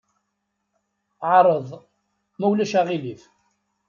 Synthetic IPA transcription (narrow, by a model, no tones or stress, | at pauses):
ʕɾˤəðˤ | mæwlæʃæʁilif